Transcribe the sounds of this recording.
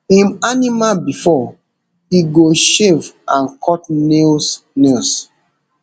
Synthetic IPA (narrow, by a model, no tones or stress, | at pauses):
ĩmanimabifɔ | iɡoʃevãnkʰɔtnels | nels